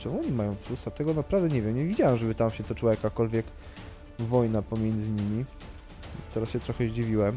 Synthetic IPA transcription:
t͡ʂɛmuɔɲimajɔ̃w̃t̪ɾusat̪ɛɡɔnapɾavd̪ɛɲɛvʲjɛmɲɛvʲid͡ʑawɛmʐɛbɘt̪amɕɛt̪ɔt͡ʂɘwajakakɔlvʲjɛk | vɔjnapɔmʲjɛnd̪zɘɲimʲi | ɛ̰nst̪ɛɾasɕɛt̪ɾɔxɛʑd͡ʑivʲiwɛm

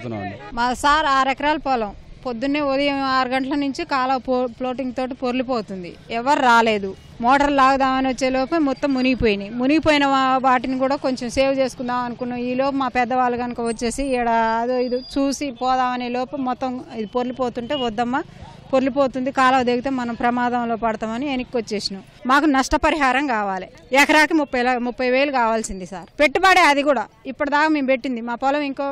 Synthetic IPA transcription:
na̰nimɐɐsaːɾaːɾɛkɐɾaːlɐpɔːlɐmpod̪ːunːeːod̪ɐjɐmaːɾuɡɐɳʈɐlɐnuɲt͡ʃikaːlɐʋpːploːʈiŋɡt̪o̞ːʈipoɾulipoːt̪und̪ḭ | ɛʋɐɾɾaːle̞ːd̪u | mɔːʈɐɾllaːɡud̪aːmɐniʋɐt͡ʃːe̞ːlɔːpɐmɔt̪ːɐmːuniɡipoːjinimuniɡipoːjinɐʋaːʈinikuːɽaːko̞ɲt͡ʃemse̞ːwut͡ʃe̞ːsu̥kund̪aːmɐnukunːaːiːlɔːpɐmaːpɛd̪ːɐʋaːlːɐɡɐnikɐʋɐt͡ʃːe̞ːsiɽaɐd̪oid̪it͡ʃuːsipɔːd̪aːmɐneːlɔːpɐmɔt̪ːɐmid̪ipoɾlipoːt̪uɳʈe̞ːʋɔd̪ːɐmːɐ | poɾlipoːt̪und̪ikaːlɐʋd̪eːɡit̪eːmɐnɐmpɾɐmaːd̪ɐmlo̞ːpɐɽɐt̪aːmɐnienikːʋɐt͡ʃːe̞ːsinu | maːkunɐʂʈɐpɐɾiɦaːɾɐmkaːʋaːli | ɛkɐɾaːkimupːɐjlɐmupːɐjʋe̞ːlukaːʋaːlsind̪isaːɾpe̞ʈːubaːɽeːɐd̪ikuːɽaːipːɐʈɐd̪aːkaːme̞ːmpe̞ʈːind̪imaːpɔlɐmiŋkoː

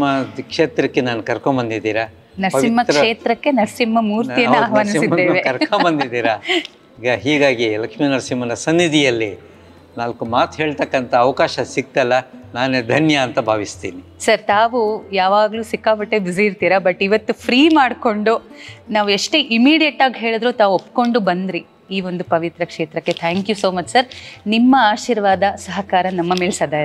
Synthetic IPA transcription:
mɐd̪kʂeːt̪ɾɐkːe̞naːnukɐɾkombɐnd̪id̪iːɾɐ | nɐɾimːɐkʂe̞ːt̪ɾɐkːe̞nɐɾsimːɐmuːɾt̪ijɐnːuaːɦʋaːnisiːeːʋekɐɾkombɐnd̪id̪iːɾa | iːɡɐɦiːɡaːɡilɐkʂminɐɾsimːɐnɐsɐnːid̪ijɐlːi | naːlkumaːt̪ɦeːɭt̪ɐkːɐnt̪ʰɐːʋɐkaːʃɐsik̚t̪ɐlːɐnaːned̪ʱɐnjɐːnt̪ɐbʱaːʋist̪ḭːni | sɐɾt̪aːʋujaːʋaːɡɐluːsikːaːbɐʈːebisiiɾt̪iːɾɐbɐʈːiʋɐt̪ːupʰɾiːmaːɖko̞ɳɖunaːʋueʂʈeʔimiːɽijɐʈaːɡiɦe̞ːɭd̪ɾoːt̪aːʋopːko̞ɳɖubɐnd̪ɾi | iːʋo̞nd̪upɐʋit̪ɾɐkʂeːt̪ɾɐkːe̞t̪ʰaːŋkjuso̞ːmɐt͡ʃsɐɾnimːɐaːʃiːɾʋaːd̪ɐsɐɦɐkaːɾɐnɐmːɐme̞ːlsɐd̪aː

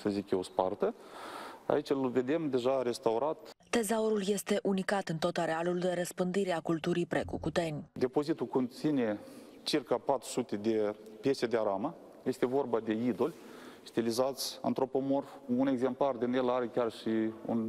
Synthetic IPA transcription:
səzikjewspart̪ə | a̰it͡ʃɨlve̞d̪e̞md̪e̞ʒaɾe̞st̪awɾat̪t̪e̞zaoɾulje̞st̪e̞ʔunikat̪ɨnt̪o̞t̪aɾealuld̪e̞ɾəspɨnd̪iɾeakult̪uɾijpɾe̞kukut̪e̞nʲd̪e̞po̞zit̪ukont̪sine̞ | t͡ʃirkapat̪ɾu̥sut̪e̞d̪e̞pje̞sed̪eaɾamə | je̞st̪e̞vo̞rbad̪e̞id̪o̞lʲ | st̪ilizat̪sʲɨ̰nt̪ɾo̞po̞mo̞rune̞ɡze̞mplard̪inelaɾekʲarʃiṵn

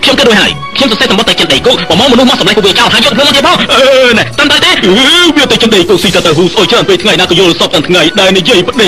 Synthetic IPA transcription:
kʰɲomkeːt̚ɗəc̚ʰɦaəj | kʰɲomsɑseːsɑmɓɑt̪əwt͡ɕənɗəjkuːk̚pɑmaːŋmɔnuhmɔsɑmlak̚pːukʋiət͡ɕawthaːjɔːk̚mʰpʰɨəmːt̪iəpʰɑːŋʔəːnɛht̪əmt̪aəjt̪eːʔʋiət̪ɨt͡ɕɨnɗəjkuːksiːt̪əwt̪əwɦuːsʔoːjt͡ɕraənpeːt̪ʰŋajnaːkɨːjoəlsɑːp̚t̪ɨət̪ʰŋajɗaɛlnijiəjpə̆ɗe

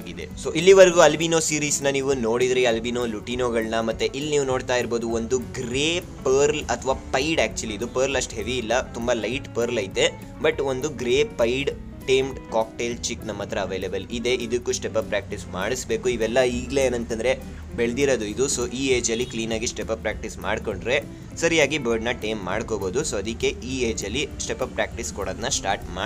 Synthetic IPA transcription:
aɡid̪ḛso̞ːʔilːiʋɐɾɡuɐlbinoːsiːɾiːsnɐniːʋuno̞ːɽid̪ɾiɐlbiːnoːluʈinoːɡɐɭnɐmɐt̪ːeʔilːniːʋunoːɽt̪aːjiɾbo̞ːd̪uond̪uɡɾeː | pɐːɾlɐt̪ʰʋaːpɐjɖæːk̚t͡ʃuɐliːd̪upɐːɾlɐʂʈɦeʋiːlːɐt̪umbɐlɐjʈpɐːɾlɐjt̪e̞ | bɐʈo̞nd̪uɡɾeːpɐjɖ | ʈeːmɖkaːk̚ʈeːlt͡ʃiknɐmːɐt̪ɾɐɐʋeːlebɐlid̪e̞ʔid̪ɐkːusʈepɐpɾaːk̚ʈismaːɽisbe̞ːkuiʋɛlːɐiːɡle̞eːnɐnt̪ɐnd̪ɾe̞ | beɭd̪iɾod̪uid̪uso̞ːʔiːeːd͡ʒɐlːikliːnaːɡisʈepɐpɾaːk̚ʈisma̰ːɖko̞ɳɖɾe | sɐɾijaːɡibɐːɾɖnɐʈejmːa̰ːɽkoːboːd̪usoːɐd̪ikːe̞iːeːd͡ʒɐlːisʈepɐpɾaːk̚ʈiskoɽoːd̪ɐnːɐsʈaːɾʈma̰ː

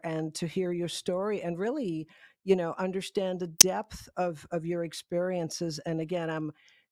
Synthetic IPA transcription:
ʔɨ̃ntʰɨhiɹjə˞stɔɹiʔɨ̃nɹɪlˠijɨnoʊʔʌ̃ndə˞stæ̃nðɨdɛp̚θʌvʌvjə˞ɨkspɪɹiɨ̃nsɨzɨ̃nɨɡɛ̃ñãɪ̃m

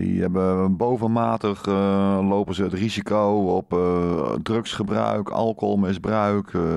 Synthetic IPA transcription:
dḭɛbəbowvənmaːtəχlowpənzəətrizikowɔp | drɵksχəbrœ̰ɥkɑ̰lˠkolˠmɪzbrœɥk

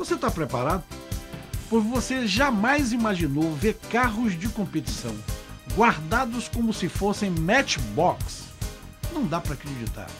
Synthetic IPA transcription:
voset̪apɾepaɾad̪ʊ | pojzvoseʒamajzimaʒinowveɾkaɦʊzd͡ʒɪkõpet͡ʃi̥sɐ̰̃w̃ɡwaɾd̪ad̪ʊskõmʊsɪfosẽj̃mɛt͡ʃbɔks | nɐ̃w̃d̪apɾɐaːkɾed͡ʒit̪a̰ɾ

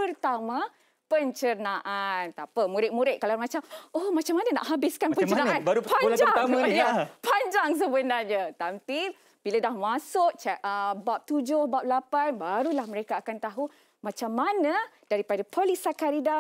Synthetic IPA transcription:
pərt̪amã | pəɲt͡ʃənãʔant̪apamuɾɪʔ̚muɾɪʔ̚kalamat͡ʃamohmãt͡ʃamːanana̰ʔɦabɪskanpəəənaanaɾpad͡ʒaŋsaɲapaɲd͡ʒaŋs̬əbənarɲãt̪ampi | b̥iladahmasʊk̚t͡ʃəbap̚t̪ud͡ʒʊhbap̚lapanbaɾulahməɾekaːkant̪aɦu | mãt͡ʃamːana | d̥aɾipadapʰolisakaɾida

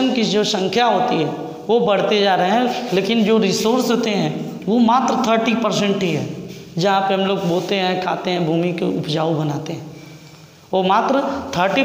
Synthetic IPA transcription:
ənkid͡ʒoːsə̃ŋkʰjaɦoːt̪iɦɛ̃ | ʋobɐɽ̤t̪ed͡ʒaːɾəɦeɦɛ̃leːkɪnd͡ʒoːɾɪsoːɾsɦoːt̪eɦɛ̃ | ʋomaːt̪ɾət̪ʰəɾʈipəɾsɛ̃ɳʈɦiɦɛː | d͡ʒɐɦãpeɦɐ̃mloːɡboːlt̪eɦɛ̃kʰaːt̪eɦɛ̃bʱuːmikeʊ̰pd͡ʒaːobɐnaːt̪eɦɛ̃ː | oːmaːt̪ɾət̪ʰəɾʈi

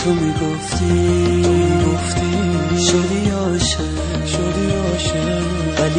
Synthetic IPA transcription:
omiɡoft̪ʰi | iɡoft̪iʃoɾiɔ | ʃa | ʃoɾiɔ | ʃa | val

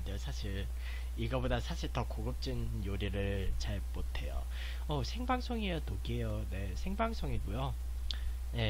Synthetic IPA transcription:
dejosʰaɕʰiɭ | iɡʌbodasʰaɕʰiɭtʌkoɡɯp̚t͡ɕ͈in | joɾiɾɯɭt͡ɕaɭmotʰe̞jo̰ | ʌsʰe̞ŋbaŋs͈ʰoŋijʌtoɡiejone̞sʰe̞ŋbaŋs͈ʰoŋiɡujo | je̞

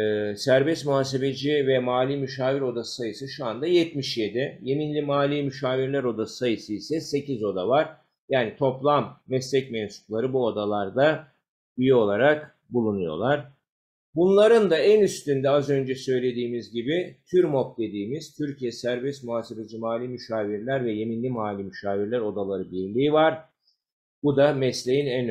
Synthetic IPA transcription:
sæɾbɛst̪muɦaːs̬e̞be̞d͡ʒivɛmaːlʲiːmyʃaːviɾo̞d̪asɯ̥sajɯsɯʃuand̪ajɛt̪miʃjed̪ɛje̞minlʲimaːlʲiːmyʃaːviɾlʲæɾo̞d̪asɯ̥sajɯsɯisɛse̞cizo̞d̪avaɾ̥ | jaːnit̪ʰo̞plˠamːɛslʲɛcmɛnsu̥klˠaɾɯbuo̞d̪alˠaɾd̪a | yjio̞lˠaɾak | bulˠunujo̞̰lˠaɾ̥ | bunlˠaɾɯnd̪aænyst̪ynd̪ɛazø̞nd͡ʒɛsø̞jlʲe̞d̪iːmizɟibit̪ʰyɾmop̚d̪e̞d̪iːmiz̥t̪ʰyɾcʰijɛsæɾbɛst̪muɦaːsibed͡ʒimaːlʲimyʃaːviɾlʲæɾvɛje̞minlʲimaːlʲimyʃaːviɾlʲæɾo̞d̪alˠaɾɯbiɾlʲiːvaɾ̥ | b̥ud̪amɛslʲe̞jinæn

